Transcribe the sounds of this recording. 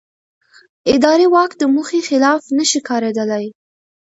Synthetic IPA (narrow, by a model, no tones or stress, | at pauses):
ɪd̪ɑɾewɑkd̪əmuxexɪlɑfnəʃikɑɾed̪əlaj